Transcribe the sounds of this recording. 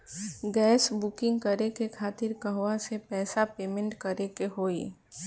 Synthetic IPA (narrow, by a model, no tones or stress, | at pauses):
ɡɛːsbʊkɪ̃ŋɡkɐɾekekʰaːt̪ɪɾkɐɦʋasepɛːsapeːmẽɳʈkɐɾekeɦoːiː